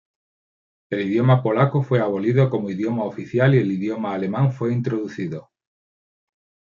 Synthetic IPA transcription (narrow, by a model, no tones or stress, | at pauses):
e̞lið̞jomapo̞lakofweaβ̞oliðokomoiðjomaofiθjalieliðjomaːle̞mãŋfwe̞int̪ɾoðuθiðo